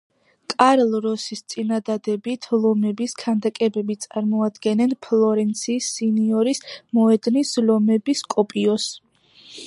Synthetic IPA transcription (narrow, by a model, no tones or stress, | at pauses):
kʼaɾlˠɾɔsist̪sʼinad̪ad̪ɛbit̪ʰlˠɔmɛbiskʰand̪akʼɛbɛbit̪sʼaɾmɔad̪ɡɛnɛnpʰlˠɔɾɛnt̪sʰiːsiniɔɾismɔɛd̪nislɔmɛbiskʼɔpʼiɔs